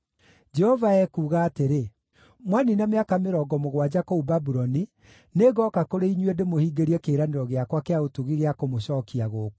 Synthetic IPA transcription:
d͡ʒɛhɔvaɛkuːɣaːteɾe | mwaninameakameɾɔːɡɔmoɣwad͡ʑakoubabuɾɔni | neɣɔːkakoɾeiɲwendemohiːɡeɾiɛkeːɾaneɾɔɣeakwakeaotuɣiɣeakomoɕɔːkiaɣoːku̥

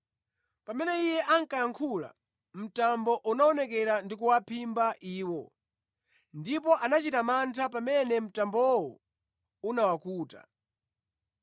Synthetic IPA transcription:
pamɛnɛijɛʔaŋ̩kajaŋkʰula̰ | m̩tambɔʔunaɔnɛk̬ɛɾandikuwapʰimbaʔiːwɔ | ndipɔʔanat͡ʃitamantʰap̬amɛnɛm̩tambɔɔwɔ | unawakuːta̰

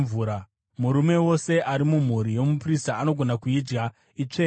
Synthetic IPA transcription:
vuːɾa | muɾume̞wo̞se̞ʔaɾimum̤uɾijo̞mupristaːno̞ɡʱo̞nakuid͡ʒɡa | it͡ʂe

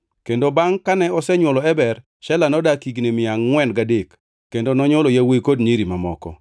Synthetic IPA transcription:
kendobaŋkanɛɔsɛɲwɔlɔɛbɛr | ʃɛlanɔdakiɡnemɪaŋːwɛnɡadekː | endonɔɲɔlojawekodɲiɾimamɔ̰kɔ̰

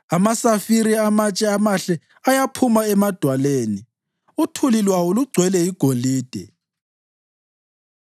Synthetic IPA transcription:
amasafiɾiamat͡ʃʼɛamaɬɛ | ajapʰumaɛmad̥ʱwaleːni | utʰulilwawɔluɡ͡ǀʱwɛlɛiɡ̥ʱoliːd̥ʱɛ

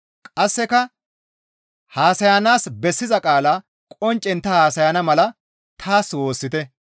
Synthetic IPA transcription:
kʼɐsːɛkɐ | haːsɐjanaːsbɛsːɪzɐkʼaːla | kʼɔnt͡ʃʼːɛnt̪ːɐhaːsɐjɐnɐmɐlɐ | t̪ʰaːswo̞ːsːɪt̪ɛ

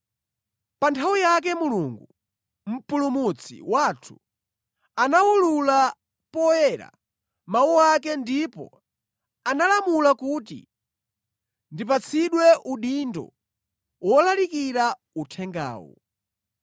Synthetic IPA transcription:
pantʰawijak̬ɛmuluːŋɡu | m̩pulumut͡sʰḭwaːtʰu̥ | anawulula | pɔjɛɾa̰ | mawuakɛndipɔ̰ | analamulakuːtḭ | ndip̬at͡sʰiɗwɛʔuɗindɔ̰ | wɔlalikiɾa | utʰɛŋɡa̰ːwɔ̰

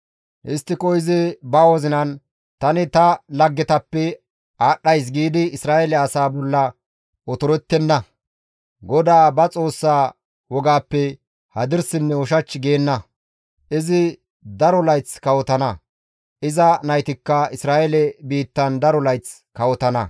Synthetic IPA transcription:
ʔɪst̪ːɪkʼɔjzɪbɐwɔzɪnɐn | t̪ɐnɪt̪ɐlɐɡːɛt̪ɐpːɛ | aːɗːɐjs̬ɡiːd̪ɪːsɾaːjɛlɛɐsaːbɔlːɐ | ɔt̪ɔɾɛt̪ːɛnːɐ | ɡɔd̪aːbɐt͡sʼo̞ːsːaː | wɔɡaːpːɛ | hɐd̪ɪɾsɪnːɛwɔʃɐt͡ʃːɪɡeːnːɐ | ʔɪzɪ | d̪ɐɾɔlɐjt͡skɐwɔt̪ɐnɐ | ʔɪzɐnɐjt̪ɪkːɐɪsɾaːʔɛlɛbiːt̪ːɐnd̪ɐɾɔlɐjt͡s | kɐwɔt̪ɐnɐ

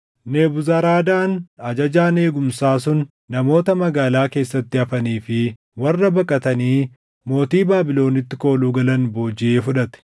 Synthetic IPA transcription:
neːbʊzaːɾaːd̪aːnɐd͡ʒɐd͡ʒaːne̞ːɡʊmsaːs̬ʊnː | ɐmo̞ːt̪ɐmɐɡaːlaːke̞ːsːɐt̪ːɪɐfɐniːfɪ | wɐrːɐbɐkʼːɐt̪ɐniː | mo̞ːt̪iːbaːbɪlo̞ːnɪt̪ːɪko̞ːluːɡɐlɐnboːd͡ʒɪeːfʊᶑɐt̪ɛ̥

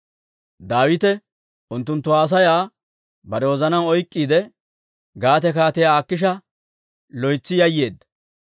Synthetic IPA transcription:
d̪aːwɪt̪ɛ | ʊnt̪ːʊnt̪ːʊaːs̬ɐjaː | bɐɾɛwɔzɐnɐwɔjkʼːiːd̪ɛ | ɡaːt̪ɛkaːt̪ɪjaːkːɪʃ̬ɐ | lɔjt͡sːɪjɐjːeːd̪ːɐ̥

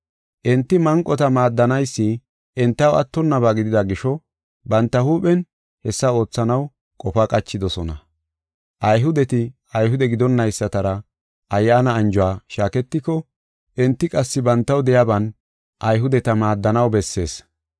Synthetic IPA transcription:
ʔɛnt̪ːɪmɐŋkʼːɔt̪ɐmaːd̪ːɐnɐjsːɪ | ʔɛnt̪ːɐwɐ̰t̪ːɔnːɐβaːɡɪd̪ɪd̪ɐɡɪʃɔ | bɐnt̪ːɐhuːpɛn | hɛsːɐo̞ːt͡sːɐnɐw | kʼɔfakʼɐt͡ʃːɪd̪ɔsɔnɐ̰ | ʔɐjɦʊd̪ɛt̪ɪ | ɐjɦʊd̪ɛɡɪd̪ɔnːɐjsːɐt̪ɐɾɐ | ʔɐjːaːnɐːnd͡ʒɔwaːʃaːkɛt̪ːɪkɔ | ʔɛnt̪ːɪkʼɐsːɪbɐnt̪ːɐwd̪ɛjabɐn | ʔɐjɦʊd̪ɛt̪ɐmaːd̪ːɐnɐwbɛsːe̞̰ːs

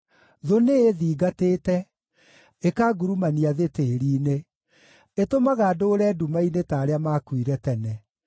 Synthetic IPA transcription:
ðoneeðiːɡateːtɛ | ekaːɡuɾumaniaðeteɾiːne | etomaɣaːdoɾɛːdumainetaːɾeamakwiɾɛtɛnɛ

